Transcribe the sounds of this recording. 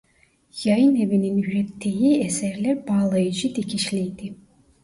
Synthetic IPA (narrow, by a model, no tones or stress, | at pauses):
jajɯnevininyɾet̪ʰːijiesɛɾlʲæɾbaːlˠajɯd͡ʒɯd̪icʰiʃlʲejd̪i